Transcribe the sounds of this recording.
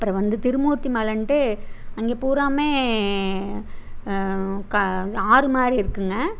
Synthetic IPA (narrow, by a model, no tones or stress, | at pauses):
ɐpːɯɾɐ̃ʋɐnd̪ɯt̪ɪɾɯmuːɾt̪ːimɐlɐnʈɯɐŋɡeːpuːɾaːmeː | kɐaːɾɯmaːdɾiɪɾɯkːɯŋɡɐ